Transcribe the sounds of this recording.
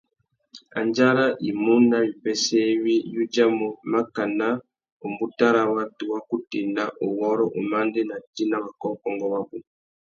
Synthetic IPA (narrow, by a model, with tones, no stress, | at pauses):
a̰˨ɲd͡ʒa˦ɾa˦ʔi˨mu˦na˦wi˨pɛ˦sɛ˦βi˦ju˦d͡ʒa˦mu˨ma˦ka˨na˦ | o˨mbu˦ta˦ɾa˨wa˦tu˨wa˦ku˦ti˨na˦ʔu˨wɔ˦ɾɔ˦ʔu˨ma˦ndɛ˦na˨ti˦na˦βa˨kɔ˦kɔ˦ŋɡɔ˦βa˦bu˨